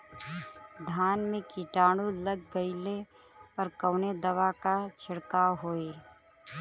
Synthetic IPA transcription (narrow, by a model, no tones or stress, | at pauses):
d̪ʱaːnmẽkiʈaːɽ̃uləɡːəɪle | ɔɾkəːned̪əwakat͡ʃʰɪɽkaɦoːeɾ